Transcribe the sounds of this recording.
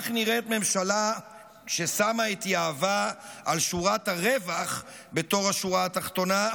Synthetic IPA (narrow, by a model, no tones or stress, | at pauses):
χniʁet̪me̞mʃala | ʃe̞samait̪iaːvaalʃuʁathaʁevaχ | be̞t̪o̞ʁaʃuʁaːtaχt̪o̞na